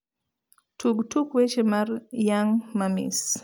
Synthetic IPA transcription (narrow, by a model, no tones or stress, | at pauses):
tʰuɡtukwet͡ʃemarjaŋmamḭs